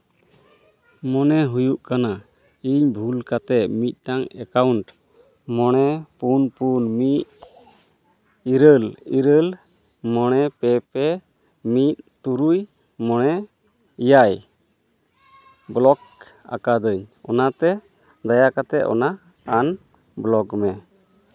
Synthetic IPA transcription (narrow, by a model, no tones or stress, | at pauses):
mɔnɛɦujuʔkana | iɲbʱulkat̪ɛʔ̪̚mit̪̚ˀʈaŋɛkauɳʈ | mɔɽ̃ɛpunpunmit̪̚ | iɾəliɾəl | mɔɽ̃ɛpɛpɛ | mit̪̚t̪uɾuj | mɔɽ̃ɛ | ijaj | blɔk | a̰kad̪əɲɔnat̪ɛ | d̪ajakat̪ɛʔɔ̰na | an | blɔɡmɛ